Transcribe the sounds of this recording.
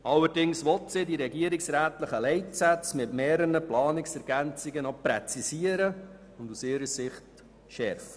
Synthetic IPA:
ɑlːəɾdɪŋsʋɔtsɪdiɾɛɡiəɾɪksɾæːtləχəlɛɪtsæt͡smɪtmeːɾənəplɑːnɪksɛɾɡ̥ænt͡sɪɡənɔpɾɛt͡sisiəɾə | ʊndusɪːɾəsɪχt | ʃɛɾfə̥

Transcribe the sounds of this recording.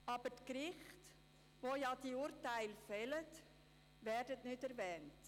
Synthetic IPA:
ɑbətkɾɪχt | ʋojɑdiuːɾtæɪlfɛlət | vɛːɾdətnʏtɛɾvɛːnt

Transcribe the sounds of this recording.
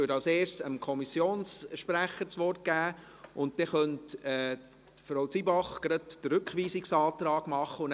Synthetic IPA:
øtɑlseːʃsəmkʰɔmisjoːnsʃpɾæχːəɾt͡sʋɔrt̚ɡ̥æː | ʊnt̚d̥ɛχœntɛ | fɾowt͡sibɑχɡ̥ɾɑtd̥əɾɵkχʋiːsɪksɑːt̪ɾɑːɡ̥mɑχːəʊn

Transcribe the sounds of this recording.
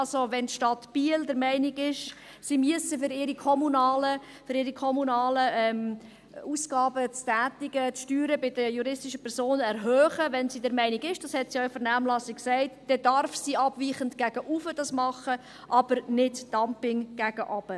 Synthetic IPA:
ɑlsoʋɛntʃtɑtb̥iːəldəɾmɛɪnɪɡɪʃ | simyəsəfʏɾɪɾikʰɔmunɑːlə | fʏɾɪːɾikʰɔmunɑːləɛm | uːsɡ̥ɑːbət͡stæːtɪɡ̥ət͡sʃtyːɾəbɪd̥əjuɾɪstɪʃəpʰɛɾsoːnɛɾɦœːχəʋɛnsidɛɾmɛɪniɡɪʃd̥ɑshɛtsiœʏfəɾnæːmlɑsɪkksɛɪtd̥ɛdɑɾfsiɑbʋiːχəntɡ̥æɡ̥əʔufəd̥ɑsmɑχə | ʔɑbəɾnɪdd̥ɑmpɪŋɡ̥æɡəʔɑb̥ə

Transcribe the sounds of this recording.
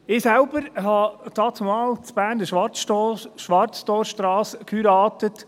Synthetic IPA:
ɪːsælbəɾhɑdɑːt͡sʊmɑːlt͡sb̥æːɾndəʃʋɑtʃʋɑɾt͡stɔːɾʃtɾɑːskʰhyɾɑːtət

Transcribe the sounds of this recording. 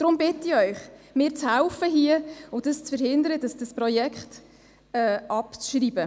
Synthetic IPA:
d̥ɾʊmbɪtiœʏχmɪːɾt͡shɛʊfəɦiəʊd̥əst͡sfəɾhɪnd̪əɾəd̥əsd̥əsprɔjɛkχt | ɛʔɑpt͡sʃriːb̥ə

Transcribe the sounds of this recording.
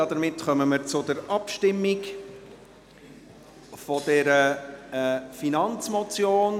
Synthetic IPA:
ɑd̥əɾmɪtχœməməɾt͡sʊdəɾɑpʃtɪmːɪk | fɔd̥ɛɾə | finɑnt͡smɔt͡sjoːn

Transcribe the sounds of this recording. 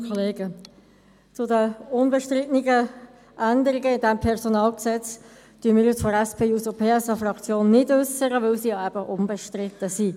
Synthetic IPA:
kʰoleːɡ̥ə | t͡sʊdəʊnbɛʃtʁɪtniɡə | ʔændəɾɪɡəɪndɛmpʰɛʁsonɑːlksɛt͡s | tyəmɪːɾjɪt͡sfɔɾɛspʰeːusəpʰeːɛsɑfrɑkt͡sjoːnːɪdʏsəʁəvɪlsiːjɑɛb̥əʔʊmbɛʃtʁɪt̪ːəsi

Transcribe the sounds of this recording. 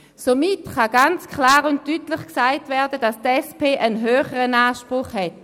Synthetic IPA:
somɪtχaɡ̥ant͡skʰlaːʁʊnt̚tyːtlɪχksaɪtvɛɐdəd̥astɛspeːʔənɦøːχəʁənaːʃpʁʊχhɛt

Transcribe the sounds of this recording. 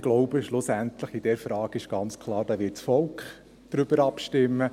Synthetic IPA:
ɡ̥lɔʊb̥əʃlʊsæntləχɪd̥ɛɾfɾɑːɡ̥ɪʃɡ̥ɑnt͡skʰlˠɑːɾd̥ɑːʋɪtsfɔlkχ | d̥ɾʏb̥əɾɑpʃtɪmːə

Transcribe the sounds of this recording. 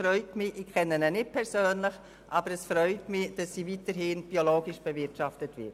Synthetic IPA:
fɾœʏtmɪʔɪkʰɛnːənɛnɪt̚pʰɛɾsøːnlɪχ | ʔɑbəɾɛsfɾœʏtmɪd̥ɑsːiːvitəɾhɪnb̥ioloːɡɪʃb̥ɛvɪɾtʃɑftətvɪ̰t

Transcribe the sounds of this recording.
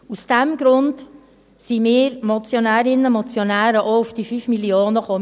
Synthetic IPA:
usd̥ɛmɡ̥ɾʊnd | simɪːɾmɔt͡sjonæːɾɪnəmɔt͡sjonæːɾəʔoufd̥ifyːfmiljoːnəχo

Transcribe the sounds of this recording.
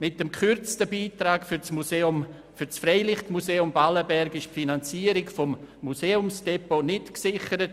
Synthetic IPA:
mɪtəmkʰʏrt͡stəbiːtɾaːkfʏt͡smuseʊm | fysfɾɛɪlɪχtmuseːʊmbaləbɛɾɡɪʃpfinant͡siːəɾɪkfɔmːuseːʊmsd̥ɛponɪtksɪχəɾət

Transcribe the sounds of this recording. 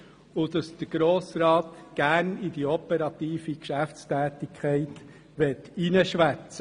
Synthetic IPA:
ʊd̥̪ɑsd̪̥əɡ̥ɾoːsɾɑːt̪ɡ̥æːɾnid̥iɔpəɾɑt̪iːfikʃæfstæːt̪ikʰχɛɪt̪ | ʋɛtinəʃʋæt͡sə

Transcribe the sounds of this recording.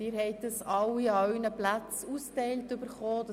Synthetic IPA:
ɪːɾhɛɪt̚d̪ɑsɑwiœɥnəplæt͡sustɛɪltʏbəɾχoːd̥ɑ

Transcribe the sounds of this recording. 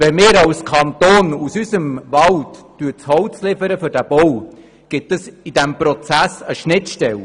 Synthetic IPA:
vɛmɪːɾɑwskʰɑnt̪oːnusyzəmvɑltːyət͡shɔwt͡slɪfəɾəfʏɾd̥æb̥ɔw | ɡ̥ɪtːəsid̥æmpɾɔt͡sæsəʃnɪtʃtɛl

